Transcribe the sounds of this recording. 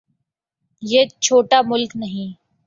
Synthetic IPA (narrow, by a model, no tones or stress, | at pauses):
jeːt͡ʃʰoːʈamʊlknɐɦĩː